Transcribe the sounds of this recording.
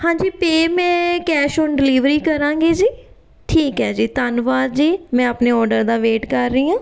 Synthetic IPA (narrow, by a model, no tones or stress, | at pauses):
hãːɲd͡ʒiːpeːmɛ̃ːkɛːʃoːnɖɪliːʋɾiːkəɾãːŋɡeːd͡ʒiː | ʈʰiːkɦɛːd͡ʒiːt̪ənʋaːɾd͡ʒiːmɛ̃ːəpneːɔːɾɖəɾd̪aːʋeːʈkəɾːiːãː